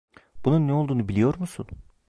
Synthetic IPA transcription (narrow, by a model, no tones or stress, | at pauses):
b̥ununːɛo̞lˠd̪uːnubilʲijo̞ɾmusun